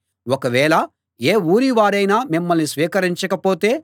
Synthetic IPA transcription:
wɔkɐʋɛːɭɐ | eːuːɾiʋaːɾɐjnaːmimːɐlnisʋiːkɐɾiɲt͡ʃɐkɐpo̞ːt̪e̞ː

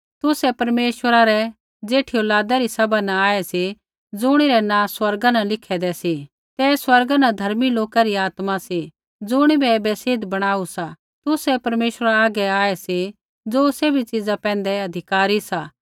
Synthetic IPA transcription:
t̪ʊsɛpɐɾmeːʃwəɾaɾɛ | d͡zeːʈʰioːlaːd̪aɾisɐbʱanãaːɛsi | d͡zʊɽ̃iɾɛnãːswɐɾɡanɐlɪkʰɛd̪ɛsi | t̪ɛswɐɾɡanɐ̃d̪ʱɐɾmiloːkaɾiaːt̪masi | d͡zʊɽ̃ibʱɛbɛsɪd̪bɐɽ̃aːusa | t̪ʊsɛpɐɾmeːʃəɾaaːɡɛaːɛsi | d͡zoːsebʱit͡ʃɪd͡zapɛ̃ːnd̪ɛɐd̪ʱɪkaːɾisaː

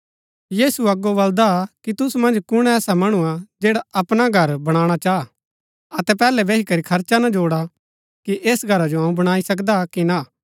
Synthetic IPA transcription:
jiːsuɐɡobɐld̪akit̪ʊsmɐ̃nd͡ʒkʊɽ̃ɛːsamɐɽ̃uad͡ʒeːɽaɐpɽ̃aɡʱɐɾbɐɽ̃aːɽ̃at͡ʃaː | ɐt̪ɛpɛːlɛbeːɦikɐɾikʰɐɾt͡ʃanad͡ʒoːɽa | kiʔeːsɡʱɐɾad͡ʒoɦɐũbɐɽ̃aːisɐk̬d̪akina

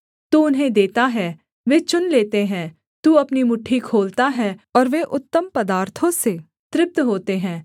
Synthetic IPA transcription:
t̪uʊnɦẽd̪eːt̪aɦɛː | ʋeːt͡ʃʊnleːt̪eɦɛ̃ː | t̪uːɐpnimʊʈʰːikʰoːlt̪aɦɛːɔːɾʋeːʔʊt̪ːəmpəd̪aːɾt̪ʰõseː | t̪ɾɪp̚t̪ɦoːt̪eɦɛ̃ː

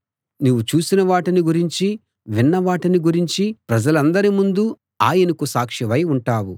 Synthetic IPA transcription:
nuʋut͡ʃuːsinɐʋaːʈiniɡuɾiɲt͡ʃi | ʋinːɐʋaːʈiniɡuɾiɲt͡ʃipɾɐd͡ʒɐlɐnd̪ɐɾimund̪u | aːjɐnɐkusaːkʂiʋɐjuɳʈaːwu

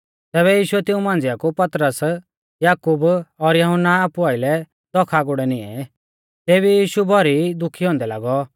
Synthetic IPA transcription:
t̪ɛːβɛjiːʃʊɛt̪ɪũmãːnd͡zɪakupɐt̪ɾəs | jaːkuːbɔɾjɐɦʊnːaaːpuaːɪlɛ | d̪̥ɔkʰaɡʊɽɛnɪ̃ɛ̰ | t̪eːβijiːʃubʱɔɾid̪ʊkʰːiɦɔ̃ːnd̪ɛla̰ːɡɔ

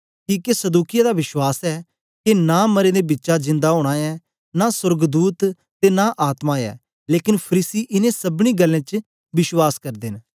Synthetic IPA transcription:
kiːkesəd̪uːkɪjad̪aːʋɪʃwaːsɛː | kenaːməɾẽːd̪eːbɪtːʃad͡ʒɪ̃nd̪aːɦoːɽ̃aːɛː | naːsʊɾɡd̪uːt̪ː | eːnaːʔaːt̪maːɛ̰ː | leːkɪnpʰəɾiːsiːʔɪnẽːsəbɽ̃ĩːɡəlːẽːt͡ʃ | bɪʃwaːskəɾd̪ɪn

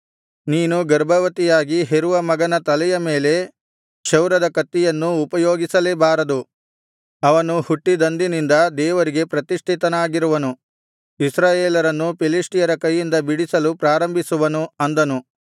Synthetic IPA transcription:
niːnuɡɐɾbɐʋɐt̪ijaːɡiɦeɾuʋɐmɐɡɐnɐt̪ɐlɛjɐme̞ːle̞ | ʃɐwɾɐd̪ɐkɐt̪ːijɐnːuːpɐjoːɡisɐlebaːɾɐd̪u | ɐʋɐnuhuʈːid̪ɐnd̪inind̪ɐd̪ɛːʋɐɾiɡe̞pɾɐt̪iʂʈ̪ʰit̪ɐnaːɡiɾuʋɐnu | isɾaːjeːlɐɾɐnːupiliʂʈijɐɾɐkɐjːind̪ɐbiɽisɐlupɾaːɾɐmbʱisuʋɐnuɐnd̪ɐnu

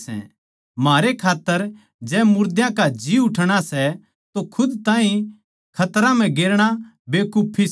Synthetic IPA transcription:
sɛ̰̃ | maːɾekʰaːt̪ːəɾ | d͡ʒɛːmʊɾd̪jãkad͡ʒiʊʈʰɽ̃asɛ | t̪okʰʊd̪t̪ãːɦĩ | kʰɐt̪ɾãm̤ɛ̃ɡeːɾɽ̃a | beːkʊpʰːis

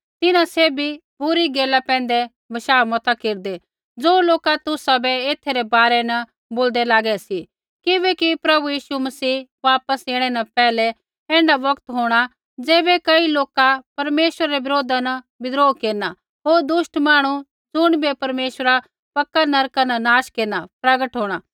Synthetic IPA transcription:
t̪ɪnãseːbʱibʊɾiɡeːlapɛ̃ːnd̪ɛ | bɐʃaːmɐt̪akeːɾd̪ɛ | d͡zoːloːkat̪ʊsabɛeːt̪ʰeɾɛbaːɾɛnɐ | boːld̪ɛlaːɡɛsi | kɪʋɛkipɾɐbujiːʃumɐsiːʋaːpəseːɽ̃ɛnɐpɛːlɛ | ɛ̃ːɳɖaʋɐkt̪ɦoːɽ̃a | d͡zeːbɛkɐiloːkapɐɾmeːʃəɾaɾɛʋɪɾoːd̪anɐ | bɪd̪ɾoːkeːɾna | ɦoːɾd̪ʊʃʈmaːɽ̃u | d͡zʊɽ̃bepɐɾmeːʃɾa | pɐkːanɐɾkanɐnaːʃkeːɾnapɾɐɡəʈɦoːɽ̃aː

